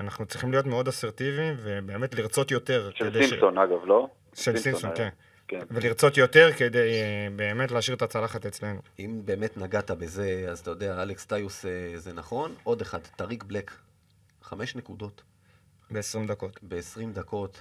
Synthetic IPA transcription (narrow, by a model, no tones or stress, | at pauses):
anaχnut͡sʁiχimlijo̞tmeo̞daseʁt̪ivive̞be̞ːme̞t̪liʁt͡so̞t̪jo̞t̪e̞ʁʃed̪eisonaɡavlo | ʃelsisonken | kenveliʁt͡so̞t̪jo̞t̪e̞ʁke̞d̪e̞jbe̞ːme̞t̪leaʃiʁet̪at͡salaχat̪e̞t͡sle̞nuimbe̞ːme̞t̪naɡat̪abe̞ze̞azat̪ajod̪eaalekst̪ajusezenaχo̞no̞de̞χadtaʁiɡblek | χame̞ʃne̞kudo̞t̪ | beesʁimd̪ako̞t̪beːsʁimd̪ako̞t̪